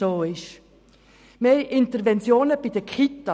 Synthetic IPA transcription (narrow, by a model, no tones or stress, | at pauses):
oːɪʃ | meːʔɪnt̪əɾvɛnt͡sjoːnəb̥id̥̪əkʰχit̪ɑ